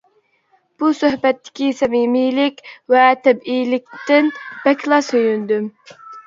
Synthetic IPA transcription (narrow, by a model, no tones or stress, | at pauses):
b̥usøhbɛt̪ːɪ̥kʲisɛmimilɪkʲwɛt̪ʰɛbijlɪk̚ʲt̪ɪnb̥ɛkʲlˠɑsøjynd̪ym